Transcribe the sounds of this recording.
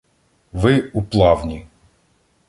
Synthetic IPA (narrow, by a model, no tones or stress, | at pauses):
ʋɪuplˠɑwnʲi